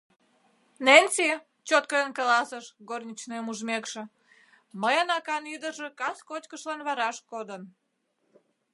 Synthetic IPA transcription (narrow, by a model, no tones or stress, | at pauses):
nenʲsi | t͡ɕot̪̚kəenkɑlɑsəʃɡornʲit͡ɕnemuʒmekʃĕ | məjɑnɑkɑnid̪əʒe̽kɑskot͡ɕkəʃlɑnβɑɾɑʃkod̪ən